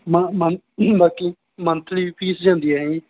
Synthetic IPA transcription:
məmən | baːki | mənt̪liːiːpiːsd͡ʒãːnd̪iːɛːɦɛ̃ː

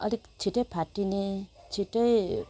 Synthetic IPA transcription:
ʌ̰likt͡sʰiʈʌjpʰaʈinet͡sʰiʈʌj

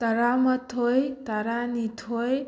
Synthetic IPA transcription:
t̪ʌɾamʌt̪ʰːojt̪aɾanit̪ʰoj

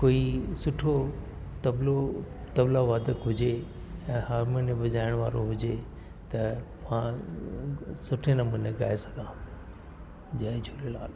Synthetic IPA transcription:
koːisʊʈʰo | t̪ɐblo | t̪ɐblaʋaːd̪əkɦʊd͡ʑe | ɛ̃ːɦaːɾmonebɐd͡ʑaːɪɽ̃ʋa̰ːɾo̰ɦʊd͡ʑe | t̪ɐ | mã | sʊʈʰenɐmuːneɡa̰ːesɐ̥ɡʱãː | d͡ʑaːd͡ʑʰʱoːɾelaːl

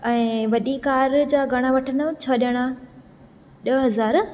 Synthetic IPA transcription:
ɛ̃ːʋɐɗikaːɾd͡ʑaːɡʱɐɽ̃aʋɐʈʰənət͡ɕʰɐɗəɽ̃a | ɗɐɦɐzaːɾ

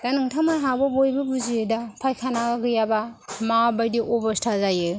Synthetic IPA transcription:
d̥anɯŋtʰamajɦawbɐbojbɐbuziɯdapʰajkʰanaɡaɡɯjabamabajdiʔobɐstʰazajɯ

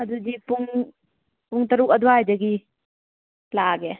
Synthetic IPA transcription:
ɐdudipuŋ | puŋtɐɾuk̚ɐduajd͡ʒaɡi | laɡe

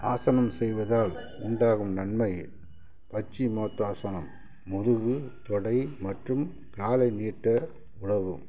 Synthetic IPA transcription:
aːsɐnɐmsɛjʋɐðaːl | ʊɳɖaːɣɯmnɐnmɐjɪl | pɐt͡ʃːimoːt̪ːaːsɐnɐmː | ʊɾɯɣɯt̪ɔɽɐɪmɐʈrɯm | kaːlɐɪniːʈːɐ | ʊɽɐʋɯm

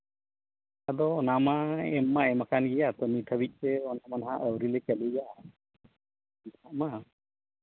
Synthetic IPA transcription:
ad̪ɔːnamaɛmːaɛmakʰanɡijat̪ɔnit̪ʰəbit̪̚ˀsɛɔnamanɦaʔəwɾilɛkəlija | iaʔma

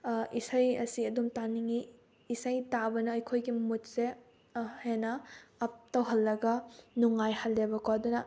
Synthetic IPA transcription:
isajɐ̰siɐdumtaniŋiː | sajtabɐnɐːjkʰojɡimut̚se | henɐːp̚tɐwɦɐlːɐɡɐnuŋajhɐlːebɐkwadunɐ

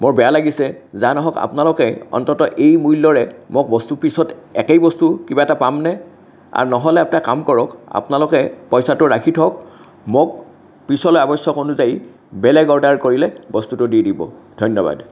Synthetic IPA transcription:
moɹbɛjalaɡisɛzanɔɦɔka̰pnalʊkɛɔ̰ntɔtɔʔejmujlːɔɹɛmok̚bɔstupisɔtɛkɛjbɔstukibaɛtapamnɛ | a̰ɹnɔɦɔlɛap̚nakamkɔɹɔka̰pnalʊkɛpɔjsatʊɹakʰitʰɔk̚ | mok̚ | pisɔlojabɔjsɔkonuzaji | bɛlɛɡɔɹdaɹkoɹilɛbɔstutʊdidibɔ̰dʱɔjnːɔba̰d

